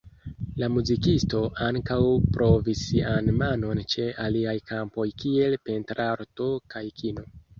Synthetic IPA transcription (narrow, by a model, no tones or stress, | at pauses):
lamuzikisto̞ʔaŋkawpɾo̞visianmano̞nt͡ʃe̞ʔaliajkʰampo̞jkie̞lpe̞ntɾaɾto̞kajkʰino̞